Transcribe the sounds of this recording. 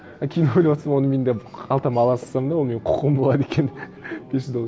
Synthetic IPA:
ɑkʲʰejɪnojlʲɑwot̪ɾsɑmwo̞nəme̞nd̪eɑlˠt̪ɑmɑlˠɑsə̥sɑmd̪awome̞nqʰʊ̥qəmbo̞lˠɑd̪ekʲen | b̥eʃɪd̪o

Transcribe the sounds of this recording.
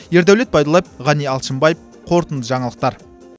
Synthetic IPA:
je̞ɾd̪æwle̞t̪̚pʰɑjd̪ɑlˠɑjep̚ʁɑnijɑlˠʃəmbɑjəp̚ | qʰo̞ɾt̪ənd̪əʒɑɴɑlˠəq̚t̪ɑɾ

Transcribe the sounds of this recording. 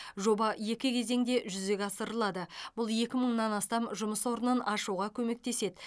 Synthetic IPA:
ʒo̞bɑje̞kʲɪkʲʰe̞ze̞ŋd̪e̞ʒʏze̞ɡʲɑsəɾəlˠɑd̪əbʊlˠje̞kʲɪməɴnɑnɑst̪ɑmʒʊməswo̞ɾənɑnɑʃuʁɑkʲʰɵme̞k̚t̪e̞se̞d̪ɪ

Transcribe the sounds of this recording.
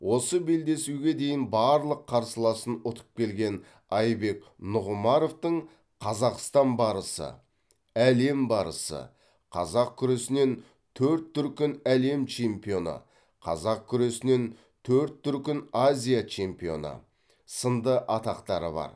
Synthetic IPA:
wo̞səbe̞ld̪e̞suɡʲe̞d̪e̞jɪnbɑɾlˠəqʰːɑɾsəlˠɑsənʊt̪ʰə̥p̚kʲe̞lɡʲe̞n | ɑjbe̞knʊʁʊmɑɾo̞ft̪əɴ | qʰɑzɑqst̪ɑnbɑɾəsə̰ | æle̞mbɑɾə̰sə̰ | qʰɑ̰zɑq̚kʲʰʏɾe̞sɪne̞n | t̪ʰɵɾt̪ʰːʏɾkʲɪnæle̞mt͡ʃʰe̞mpijo̞nə̰ | qʰɑ̰zɑq̚kʲʰʏɾe̞sɪne̞n | t̪ʰɵɾt̪ʰːʏɾkʲɪnazʲijat͡ʃʰe̞mpijo̞̰nə̰ | sənd̪əʔɑt̪ɑqt̪ɑɾə̰bɑ̰ɾ

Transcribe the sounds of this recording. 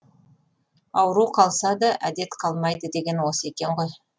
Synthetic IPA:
ɑwəɾuqʰɑlˠsɑd̪ɑʔæd̪e̞t̪qʰɑlˠmɑjd̪əd̪e̞ɡʲe̞nwosəe̞kʲe̞ɴʁo̞j

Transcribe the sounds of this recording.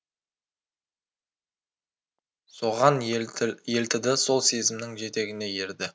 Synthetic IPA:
so̞ʁɑnje̞lt̪ɪd̪ɪso̞lˠse̞zɪmnɪŋʒe̞t̪e̞ɡʲɪne̞je̞ɾd̪ɪ

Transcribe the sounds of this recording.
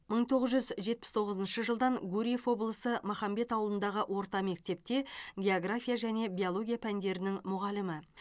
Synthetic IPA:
məɴt̪ʰo̞ʁəzʒʏzʒe̞t̪̚pɪ̥st̪ʰo̞ʁəzənʃəʒəlˠd̪ɑŋɡuɾʲije̞fwo̞blˠəsəmɑχɑmbe̞t̪ɑwlˠənd̪ɑʁəʔwʔo̞ɾt̪ɑme̞k̚t̪e̞p̚t̪e̞ɡʲe̞oɡrafʲijaʒæne̞biolˠo̞ɡʲijapʰænd̪e̞ɾɪnɪŋmʊʁɑlɪmɪ

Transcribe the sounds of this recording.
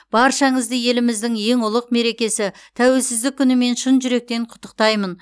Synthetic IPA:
b̥ɑɾʃɑɴəzd̪əje̞lɪmɪzd̪ɪŋje̞ŋʊlˠəqme̞ɾe̞kʲe̞sɪt̪ʰæwe̞lsɪzd̪ɪkʲʰːʏnɪme̞nʃənʒʏɾe̞k̚t̪e̞ɴqʰʊ̥t̪ːə̥q̚t̪ɑjmən

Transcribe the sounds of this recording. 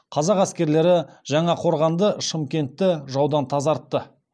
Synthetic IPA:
qʰɑzɑqæskʲe̞ɾle̞ɾɪʒɑɴɑqʰo̞ɾʁɑnd̪əʃəmkʲe̞nt̪ːɪʒɑwd̪ɑnt̪ʰɑzɑɾt̪ːə

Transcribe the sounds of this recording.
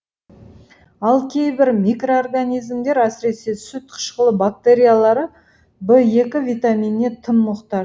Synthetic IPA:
ɑlˠkʲʰe̞jbɪɾmʲikro̞orɡanijzmd̪e̞ɾæsɪɾe̞se̞sʊt̪̚qʰə̥ʃqəlˠəbak̚t̪eɾʲijalˠɑɾə | bəje̞kʲɪvʲijt̪amʲijnːe̞t̪ʰəmːʊqt̪ɑɾ

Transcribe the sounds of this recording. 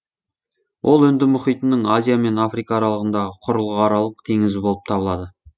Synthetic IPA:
wʔo̞lˠʏnd̪ɪmʊχijt̪ənəɴŋazʲijame̞nafrijkɑːɾɑlˠəʁənd̪ɑʁəqʰʊɾəlˠʁəɑɾɑlˠəqt̪ʰe̞ŋɪzɪbo̞lˠə̥p̚t̪ʰɑbəlˠɑd̪ə

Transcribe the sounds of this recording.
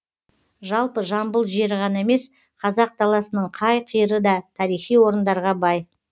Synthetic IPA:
ʒɑlˠpəʒɑmbəlˠʒie̞ɾɪʁɑnɑeme̞s | qʰɑzɑq̚t̪ʰɑlˠɑsənəɴqʰɑjqʰijəɾəd̪ɑt̪ʰɑɾijχijwo̞ɾənd̪ɑɾʁɑbɑj

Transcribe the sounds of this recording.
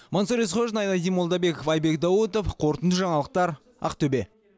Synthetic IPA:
monsoɾisχoʒnɑjnɑd̪ijmo̞lˠd̪ɑbe̞kofɑjbe̞kd̪ɑwət̪ofqʰo̞ɾt̪ənd̪əʒɑɴɑlˠəq̚t̪ɑɾ | ɑ̰qt̪ʰɵbe̞

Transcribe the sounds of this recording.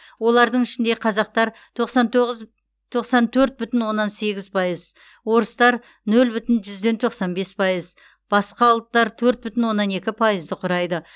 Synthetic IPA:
wo̞lˠɑɾd̪əɴɪʃɪnd̪e̞qʰɑzɑq̚t̪ɑɾ | t̪ʰoqsɑnt̪ʁ | t̪ʰo̞qsɑnt̪ʰɵɾt̪̚bʏt̪ɪnwo̞nːɑnse̞ɡʲɪzpʰɑjəz | wo̞ɾəst̪ɑɾ | nɵlbʏt̪ɪnʒʏzd̪e̞nt̪ʰo̞qsɑnbe̞spʰɑjəz | b̥ɑsqɑʊlˠət̪ːɑɾt̪ʰɵɾt̪̚bʏt̪ɪnwo̞nːɑne̞kʲɪpʰɑjəzd̪əqʰʊɾɑjd̪ə

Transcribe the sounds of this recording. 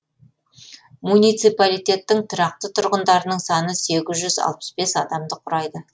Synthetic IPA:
munijt̪sijpalijt̪e̞t̪ːɪŋt̪ʰʊɾɑq̚t̪ət̪ʰʊɾʁənd̪ɑɾənəɴsɑnəse̞ɡʲɪzʒʏzɑ̰lˠpə̥sbe̞sɑd̪ɑmd̪əqʰʊɾɑjd̪ə

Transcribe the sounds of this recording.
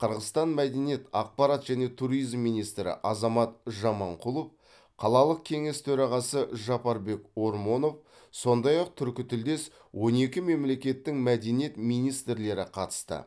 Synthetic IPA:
qʰəɾʁəst̪ɑnmæd̪e̞nje̞t̪ɑq̚pɑɾɑt̪ʒ̥æne̞t̪ʰuɾijzmːijnijst̪ɾɪ̰ʔɑzɑmɑt̪ʒɑmɑɴqʰulˠo̞f | qʰɑlˠɑlˠəq̚kʲʰe̞ŋe̞st̪ʰɵɾɑʁɑsəʒɑpɑɾbe̞ko̞ɾmo̞nof | so̞nd̪ɑjɑq̚t̪ʰʏɾkʲɪt̪ʰʏld̪e̞s | wʔo̞ne̞kʲɪme̞mle̞kʲe̞t̪ːɪŋmæd̪e̞nijet̪mijnijst̪ɾle̞ɾɪqʰɑt̪ə̥st̪ə̰

